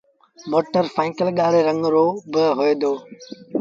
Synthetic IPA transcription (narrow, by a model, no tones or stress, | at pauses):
moːʈəɾfãːŋkəlɠaːɽeːɾə̃ŋɡɾoːbɪɦoeːd̪oː